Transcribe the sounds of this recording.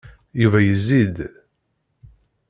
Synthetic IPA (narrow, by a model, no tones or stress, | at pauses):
juvæjəzːid̪